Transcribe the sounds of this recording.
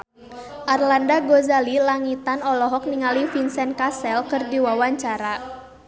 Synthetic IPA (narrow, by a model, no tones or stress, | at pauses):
ʔarlandaɡɔzalilaŋit̪anɔlɔɦɔk̚niŋalifinsɛnkasɛlkɨrdiwawaɲt͡ʃaɾa